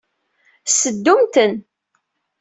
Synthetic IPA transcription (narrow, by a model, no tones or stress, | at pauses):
səd̪ːumt̪ən